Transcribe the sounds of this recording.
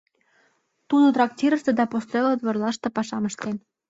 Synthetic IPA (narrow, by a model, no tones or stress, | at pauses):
t̪ud̪ot̪rɑktʲiɾəʃt̪ĕd̪ɑpost̪relot̪βɤ̆rlɑʃt̪ɤ̆pɑʃɑməʃt̪en